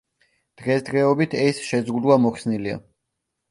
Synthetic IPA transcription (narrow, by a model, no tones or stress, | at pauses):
d̪̥ʁɛsd̪ʁɛɔbit̪ʰɛsʃɛzʁud̪uamɔχsnilia̰